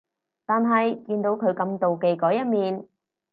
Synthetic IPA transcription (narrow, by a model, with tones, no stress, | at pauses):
t̪aː˨nɦɐ˨jkiː˧nt̪o˨˧wkʰɵ˨˧ɥkɐ˧mt̪o˨wke˨jkɔː˨˥jɐ˥t̚miː˨n